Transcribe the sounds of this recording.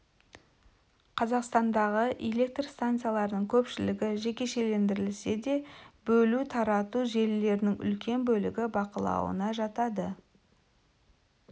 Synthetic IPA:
qʰɑzɑqst̪ɑnd̪ɑʁəʔele̞k̚t̪rst̪ant̪sɨjalˠɑɾənəɴkʲʰɵpʃɪlɪɡʲɪʒe̞kʲe̞ʃe̞le̞nd̪ɪɾɪlse̞d̪e̞bɵlut̪ʰɑɾɑt̪uʒe̞lːe̞ɾɪnɪŋʏ̰lkʲe̞nbɵlɪɡʲɪbɑqəlˠɑ̰wə̰nɑʒɑt̪ɑd̪ə

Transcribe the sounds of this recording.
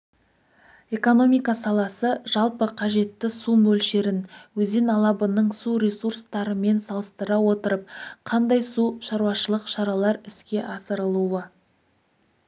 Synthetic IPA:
e̞ko̞no̞mijkɑsɑlˠɑsəʒ̥ɑlˠpəqʰɑʒe̞t̪ːɪsumɵlʃe̞ɾɪnwɵze̞nɑlˠɑbənəɴsuɾʲesurst̪ɑɾəme̞nsɑlˠəst̪əɾɑwo̞t̪əɾəp̚qʰɑnd̪ɑjsuʃɑɾwɑʃəlˠəqʃɑɾɑlˠɑɾɪskʲe̞ʔɑsəɾəlˠuwə

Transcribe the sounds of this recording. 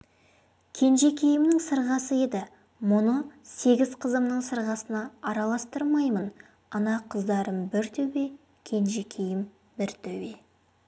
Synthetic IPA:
kʲʰe̞nʒe̞kʲʰejɪmnɪŋsəɾʁɑsəe̞d̪ɪ | mʊnəse̞ɡʲɪzqʰəzəmnəɴsəɾʁɑsənɑɑɾɑlˠɑst̪əɾmɑjmən | ɑnɑqʰəzd̪ɑɾəmbɪɾt̪ʰɵwe | kʲʰe̞nʒekʲʰejɪm | bɪɾt̪ʰɵbe

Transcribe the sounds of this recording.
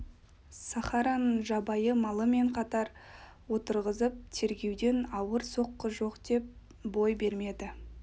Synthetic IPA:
sɑχɑɾɑnʒɑbɑjəmɑlˠəme̞ɴqʰɑt̪ɑɾ | wo̞t̪əɾʁəzəp̚t̪ʰe̞ɾɡʲe̞wd̪e̞nɑwəɾso̞qːəʒo̞qd̪̥e̞p̚ | bo̞jbe̞ɾme̞d̪ɪ

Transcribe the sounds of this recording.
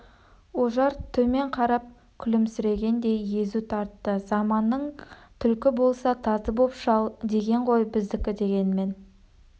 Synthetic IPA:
o̞ʒɑɾt̪ʰɵme̞ɴqʰɑɾɑp̚ | kʲʰʏlɪmsʏɾe̞ɡʲe̞nd̪e̞jje̞zut̪ʰɑɾt̪ːəzɑmɑnːəɴt̪ʰʏlkʲɪbo̞lˠsɑt̪ʰɑzəbopʃɑw̪ˠd̪e̞ɡʲe̞ɴʁo̞jbɪzd̪ɪkʲɪd̪e̞ɡʲe̞nɪme̞n

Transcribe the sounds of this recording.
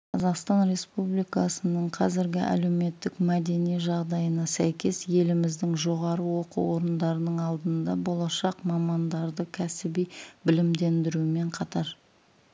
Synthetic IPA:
qʰɑzɑqst̪ɑnɾe̞spublijkɑsənəɴqʰɑzɪɾɡʲɪʔæ̰le̞wme̞t̪ːɪkmæd̪e̞nijʒɑʁd̪ɑjənɑsæjkʲe̞sje̞lɪmɪzd̪ɪŋʒo̞ʁɑɾəwo̞qṵwo̞ɾənd̪ɑɾənəɴɑlˠd̪ənd̪ɑbo̞lˠɑʃɑqmɑmɑnd̪ɑɾd̪əkʲʰæsɪbijbɪlɪmd̪e̞nd̪ɪɾuɪme̞ɴqʰɑt̪ɑɾ

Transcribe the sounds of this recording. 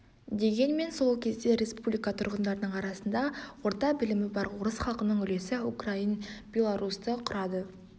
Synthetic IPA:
d̪e̞ɡʲe̞nme̞nso̞lˠkʲʰe̞zd̪e̞ɾʲe̞spublijkat̪ʰʊ̰ɾʁənd̪ɑɾənəɴɑɾɑsənd̪ɑwo̞ɾt̪ɑqbɪlɪmɪbɑɾwoɾəsχɑlˠqənəɴʏle̞sɪukrainb̥ʲe̞lˠaɾust̪əqʰʊɾɑd̪ə

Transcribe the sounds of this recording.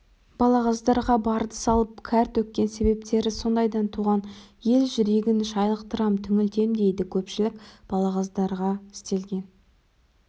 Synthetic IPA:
b̥ɑlˠɑʁɑzd̪ɑɾʁɑbɑɾd̪əsɑlˠəpkʲʰæɾt̪wɵk̚ʲkʲːe̞nse̞βe̞p̚t̪e̞ɾɪso̞nd̪ɑjd̪ɑnt̪ʰuʁɑnje̞lʒʏɾeɡʲɪnʃɑjlˠəq̚t̪əɾɑmt̪ʰʏŋʲɪlt̪e̞md̪e̞jd̪ɪkʲʰɵpʃɪlɪk̚b̥ɑlˠɑʁɑzd̪ɑɾʁɑɪst̪e̞lɡʲe̞n

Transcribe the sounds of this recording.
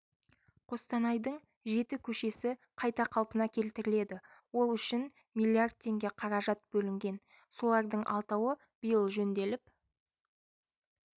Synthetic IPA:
qʰo̞st̪ɑnɑjd̪əɴ | ʒe̞t̪ɪkʲʰɵʃe̞sɪ | qʰɑjt̪ɑqʰɑlˠpənɑkʲʰe̞lt̪ɪɾɪle̞d̪ɪ | wo̞lˠʏʃɪn | milʲiard̪̚t̪ʰːe̞ŋɡʲe̞qʰɑɾɑʒɑt̪̚bɵlɪŋɡʲe̞n | so̞lˠɑɾd̪əɴʔɑ̰lˠt̪ɑwə | b̥ijəlˠʒɵnd̪e̞lɪp̚

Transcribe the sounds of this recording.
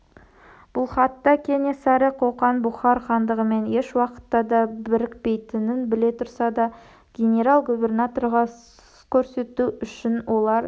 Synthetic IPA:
b̥ʊlˠχɑt̪ːɑkʲʰe̞ne̞sæɾəqʰoqɑnbʊχɑɾχɑnd̪əʁəme̞ne̞ʃwɑqə̥t̪ːɑd̪ɑbɪɾɪkpe̞jt̪ɪnɪnbɪle̞t̪ʰʊɾsɑd̪ɑ | ɡ̥ʲe̞nʲe̞ɾalˠɡubʲe̞rnat̪o̞ɾʁɑ | kʲʰɵɾse̞t̪uʏʃɪnwo̞lˠɑɾ

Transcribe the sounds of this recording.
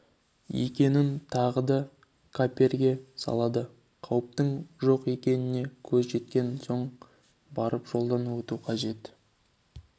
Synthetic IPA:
jḛkʲe̞nɪnt̪ʰɑʁəd̪ɑ | kʰapʲe̞rɡʲe̞sɑ̰lˠɑd̪ə | qʰɑwəp̚t̪əɴʒo̞qe̞kʲe̞nɪne̞kʲʰɵzʒe̞t̪̚kʲe̞nso̞ɴ | bɑɾəpʒ̥o̞lˠd̪ɑnuwɵt̪uqʰɑʒe̞t̪

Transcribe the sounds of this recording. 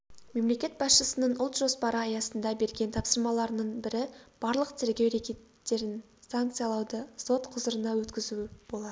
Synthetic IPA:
me̞mle̞kʲe̞t̪̚bɑsʃəsənəɴʊlˠt̪ʒ̥o̞spɑɾəɑjɑsənd̪ɑbe̞ɾɡʲe̞nt̪ʰɑpsəɾmɑlˠɑɾənəɴbɪɾɪb̥ɑɾlˠəqt̪ʰɪɾɡʲe̞wɾekʲe̞t̪ːe̞ɾɪn | saŋk̚t̪sɨjɑlˠɑwd̪əso̞t̪qʰʊzəɾənɑwɵt̪kʲɪzuwɪb̥o̞lˠɑd̪ə

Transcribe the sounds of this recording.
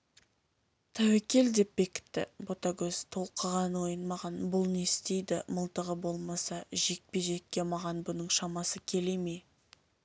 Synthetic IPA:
t̪ʰæwekʲe̞ld̪e̞p̚be̞kʲɪ̥t̪ːɪ̰bo̞t̪ɑɡʲɵz̥t̪ʰo̞lˠqʰəʁɑnwo̞jənmɑʁɑnbʊlˠne̞st̪e̞jd̪ɪməlˠt̪əʁəbo̞lˠmɑsɑʒek̚pe̞ʒe̞k̚ʲːe̞mɑʁɑnbʊnəɴʃɑmɑsəkʲʰe̞le̞me

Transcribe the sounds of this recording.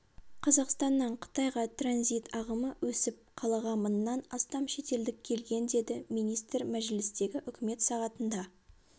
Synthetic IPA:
qʰɑzɑqst̪ɑnːəɴqʰə̥t̪ɑjʁɑt̪ʰranzijt̪ɑʁəməwɵsɪp̚qʰɑlˠɑʁɑmənːɑnɑst̪ɑmʃe̞t̪e̞ld̪ɪk̚ʲʰːe̞lɡʲe̞nd̪e̞d̪ɪmijnijst̪rmæʒɪlɪst̪e̞ɡʲɪʔʏkʲɪme̞t̪sɑʁɑt̪ənd̪ɑ

